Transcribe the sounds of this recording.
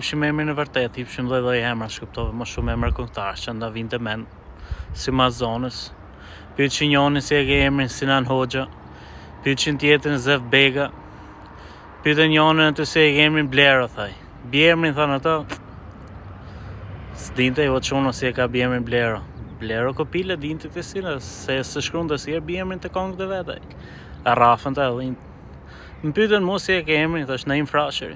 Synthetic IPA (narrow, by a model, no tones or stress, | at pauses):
pʃimɛmɾinəvəɾt̪ɛt̪hipʃimðɔjðɔjhɛmɾaʃkəp̚t̪ɔvɛməʃumɛmɾakɔŋkt̪aɾt͡ʃand̪avint̪ɛmɛn | simaszɔnəs | pyt͡ʃiɲɔnisiɛɡɛmɾinsinanɦɔd͡ʒa | pyt͡ʃint̪jɛt̪ɾinzɛfbɛɡa | pyt̪̬ɛɲɔninat̪ysiɛɡɛmɾinblɛɾaθaj | bjɛmɾinθanat̪a | sd̪int̪ɛuat̪t͡ʃunɔsiɛkabjɛmɾinblɛɾablɛɾakɔpilɛd̪int̪ɛt̪ɛsilasɛsəʃkɾund̪əsiɛbjɛmint̪əkɔŋkt̪əvɛt̪a̰j | arafənt̪aðin | mpyt̪ɛnmɔsiɛkɛmɾinθaʃnaimfɾaʃə̰ɾḭ